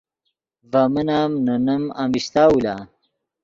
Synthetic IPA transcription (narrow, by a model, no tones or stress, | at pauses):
vɐmənaːmnɐnɐma̰mist̪aːwula̰